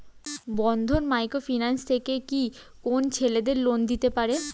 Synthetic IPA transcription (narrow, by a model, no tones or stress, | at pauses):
bɔnd̪ʱonmajkɾofinanst̪ʰekeki | kont͡ɕʰeled̪eɾlond̪it̪epaɾe